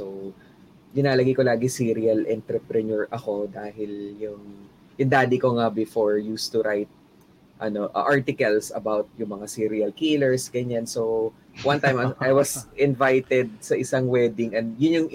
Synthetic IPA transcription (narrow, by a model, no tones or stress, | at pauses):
sow | d̪ɪnaːlɐɡikolaːɡɪsiːɾɪɐlʔɛnt̪ɾɛpɾɛnɔɹʔɐko̞d̪aːhɪljʊŋ | jʊŋd̪aːd̪ɪkoŋabɪfoɹjust̪ʊɾajt̪̚ | ʔɐno̞ʔɐ̰ʔaɹt̪ɪkɐlsɐ̰bawt̪̚jʊŋmɐŋasiːɾiɐlkiːlɛɹsɡɐɲansow | wɐ̃nt̪ãjmajwɐsʔɪnvajt̪ɛd̪̚sɐʔɪsaŋwɛːd̪ɪŋʔɛnjʊnjʊŋ